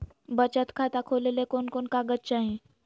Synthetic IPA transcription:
bət͡ɕat̪kʰat̪akʰolelekonkonkaɡətːɕaɦĩ

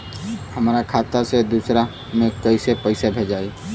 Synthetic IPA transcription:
həmɾakʰaːt̪ased̪uːsɾa | mẽkɐisepəɪsebʱed͡ʒaːi

